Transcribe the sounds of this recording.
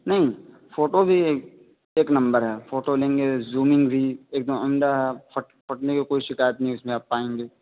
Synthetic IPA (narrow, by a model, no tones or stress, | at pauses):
nɐɦĩ | foːʈobʱi | eːknɐ̃mbəɾɦɛːfoːʈolẽːŋɡezuːmɪ̃ŋɡbʱieːk̚d̪əmɐmd̪aɦɛpɐʈpɐʈnekikoːiʃɪkaːjət̪nɐɦĩʊsmẽaːpːaːẽːŋɡeː